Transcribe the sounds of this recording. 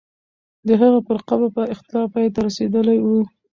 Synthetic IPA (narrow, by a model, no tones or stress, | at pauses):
d̪əɦaɣapəɾqabapəɪxt̪ɪlɑfpɑjt̪aɾased̪əlajwu